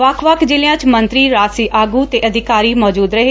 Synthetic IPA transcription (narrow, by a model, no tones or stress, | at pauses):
ʋəkʰʋəkʰd͡ʒɪlɪjãːt͡ʃmə̃nt̪ɾiːɾaːsiːʔaːɡuːt̪eːʔəd̪ʱɪkaːɾiːmɔːd͡ʒuːd̪ɾəɦeː